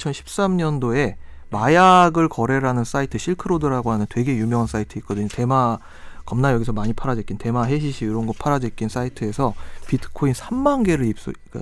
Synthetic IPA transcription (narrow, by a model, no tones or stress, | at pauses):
t͡ɕʰʌnɕʰi̥p̚s͈amɲʌndoe̞majaɡɯɭkʌɾe̞ɾanɯns͈aitʰɯɕʰiɭkʰɯɾodɯɾaɡoɦanɯntwe̞ɡe̞jumjʌŋɦans͈aitʰɯit̚k͈ʌdɯɲote̞ma | kʌmnajʌɡisʰʌmaɲipʰaɾad͡ʑek͈inte̞maɦe̞ɕ̬ʰiɕʰioɾʌnɡʌpʰaɾad͡ʑek͈ins͈aitʰɯe̞sʰʌpitʰɯ̥kʰoinsʰamːanɡe̞ɾɯɭip̚s͈o̰ka̰